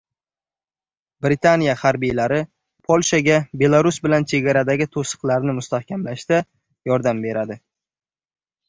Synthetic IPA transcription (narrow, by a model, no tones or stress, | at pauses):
bɾɪt̪ʰanijahaɾbijlaɾɪ | pʰolʲˠʃaɡʲabe̞lˠaɾʊsbɪlant͡ʃʰe̞ɡʲaɾad̪aɡʲɪt̪ʰosɨ̥qlˠaɾnɪmʊst̪ahkʲamlaʃd̪̥a | jɒɾd̪ambe̞ɾad̪ɪ